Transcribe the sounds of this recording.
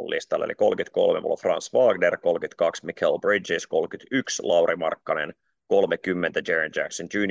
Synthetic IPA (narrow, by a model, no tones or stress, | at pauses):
lːḭst̪ɑlːḛlḭkolkyt̪ko̰lmeʋo̰lːfrɑnsʋɑːɡnerko̞lkyt̪kɑksmikʰelbridd͡ʒiskolkyt̪ykslɑuɾimɑrkːɑnḛn | kolmekymːent̪æd͡ʒeɹænd͡ʒæ̰ksond͡ʒʉːn